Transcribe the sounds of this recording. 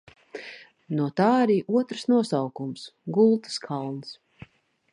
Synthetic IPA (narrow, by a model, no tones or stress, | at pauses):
nuɔt̪aːaɾiːʔuɔt̪ɾsnuɔsawkumsɡulˠt̪ɨ̥skʰalˠns